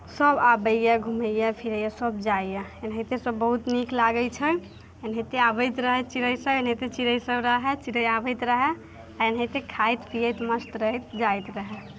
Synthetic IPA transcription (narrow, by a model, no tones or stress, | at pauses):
səbabəjjaɡʱuməjjapʰiɾəjasəb̚d͡ʒajjaenɦəjt̪esəbːəɦut̪niklaɡəjt͡ʃʰə | enɦət̪eabəjt̪ɾəɦɛt͡ʃiɾəjsəbenɦət̪et͡ʃiɾəjsəbɾəɦɛt͡ʃiɾəjabəjt̪ɾəɦɛ | aenɦət̪ekʰajt̪pijət̪məsʈ̪ɾəɦɛt̪d͡ʒajt̪ɾəɦɛ